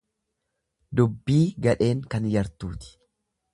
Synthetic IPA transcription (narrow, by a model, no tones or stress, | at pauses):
d̪ʊbːiːɡɐᶑe̞ːŋkɐnjɐɾt̪uːt̪ɪ̥